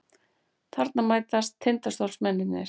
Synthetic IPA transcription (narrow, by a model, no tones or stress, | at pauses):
θʰaɾt̪namaːjt̪ast̪ʰːent̪ast̪owlsmɛnːɪnɪ̰ɾ̥